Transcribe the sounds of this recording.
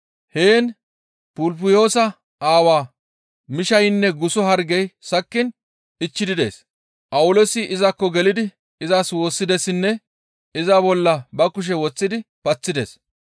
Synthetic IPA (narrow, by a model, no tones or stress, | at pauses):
heːn | pʊlp̬ʊjo̞ːsɐ | aːwaː | mɪʃɐjɪnːɛɡʊsɔɦɐɾɡɛjsɐkːɪn | ɪt͡ʃːɪd̪ɪd̪e̞̰ːs | ʔɐwʊlosɪʔɪzɐkːɔɡɛlɪd̪ɪ | ɪzaswo̞ːsːɪd̪ɛsɪnːɛ | ɪzɐbɔlːɐbɐkʊʃ̬ɛwɔt͡sːɪd̪ɪpɐt͡sːɪd̪ḛs